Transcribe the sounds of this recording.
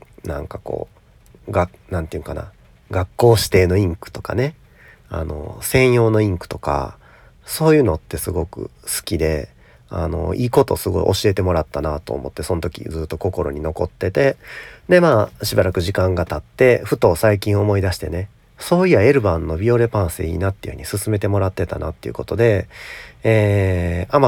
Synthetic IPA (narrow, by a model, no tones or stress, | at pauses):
nã̰ŋkako̞̰ː | ɡa | nãnt̪eiɯ̟̃ŋkana̰ | ɡakːo̞ːɕi̥t̪e̞ːno̞ĩŋkɯ̟̥t̪o̞ka̰ne̞ | a̰no̞̰sẽ̞ɰ̃jo̞ːno̞ĩŋkɯ̟̥t̪o̞̥ka̰ | so̞ːjɯ̟ːno̞t̪ːe̞sɨɡo̞kɯ̟̰sɨ̥kʲid̪e̞ | a̰no̞̰ʔiːko̞t̪o̞̰ːsɨɡo̞̰ḭʔo̞ɕie̞t̪e̞mo̞ɾat̪ːanat̪o̞̰ːmo̞̰t̪ːe̞so̞not̪okʲḭd͡zɨːt̪ːo̞ko̞ko̞ɾo̞̰ɲino̞ko̞t̪ːe̞t̪e̞d̪e̞maːɕibaɾakɯ̟ʑikãŋɡat̪at̪ːe̞ɸɯ̟t̪o̞ːsaikʲĩɰ̃o̞mo̞id̪aɕi̥t̪e̞ne̞ | so̞ːiae̞ɾɯ̟bãnːo̞bʲio̞ɾe̞pãɰ̃sɨḛḭːnat̪ːeiɯɯ̟ɲ̟isɨsɨme̞t̪e̞mo̞ɾat̪ːe̞t̪a̰nʔa̰t̪ːe̞iɯ̟̰ko̞t̪o̞d̪e̞ | eːama